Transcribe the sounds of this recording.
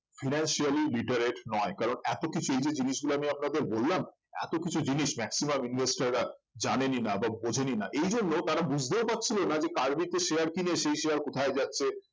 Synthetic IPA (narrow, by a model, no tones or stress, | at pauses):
fʰinanʃialiliʈeɾeʈnɔekaɾonɛt̪okit͡ɕʰuejd͡ʑed͡ʑiniʃɡuloamiapnad̪eɾbolːam | ɛ̰t̪okit͡ɕʰud͡ʑiniʃmɛksimaminvesʈaɾːa | d͡ʑaneninababod͡ʑʱeninaʔejd͡ʑonːot̪aɾabud͡ʑʱd̪eopatːɕʰilonad͡ʑekaɾmit̪eʃeaɾkineʃejʃejaɾkot̪ʰaed͡ʑatːɕʰe